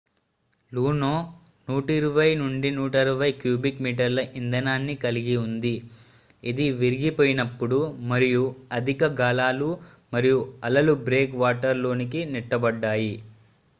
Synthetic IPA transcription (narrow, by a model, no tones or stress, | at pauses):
luːnoː | nuːʈɐiɾuʋɐjnuɳɖinuːʈɐɾɐʋɐjkjuːbikmiːʈ̬ɐɾlɐʔind̪ɐnaːnːikɐliɡiund̪i | id̪iʋiɾiɡipoːjinɐpːuɽumɐɾijuɐd̪ʱikɐɡaːlaːlumɐɾijuɐlɐlubɾeːkʋaːʈɐɾlo̞ːnik̬iniʈːɐbɐɖːaːji